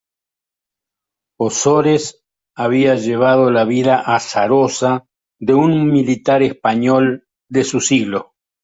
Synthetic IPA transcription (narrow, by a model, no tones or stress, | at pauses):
osoɾes | aβiaʒeβ̞að̞o̞laβiðaʔasaɾosa | ðeunmilit̪aɾespaɲol | d̪esusiɣlo̞